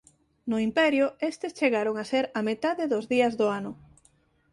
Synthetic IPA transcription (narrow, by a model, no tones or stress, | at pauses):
nʊimpɛɾjʊest̪est͡ʃeɣaɾoŋaseɾɐmet̪aðeðozðiɐzðoanʊ